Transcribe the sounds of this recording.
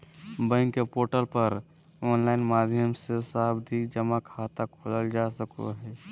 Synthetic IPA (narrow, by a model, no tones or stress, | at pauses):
bə̃ŋkːepoːɾʈəlpəɾ | ɔːnlaːɪnmaːd̪ʱjəmsesaːbd̪ʱid͡ʒəmakʰaːt̪akʰoːləld͡ʒaːsəko̰ɦɛː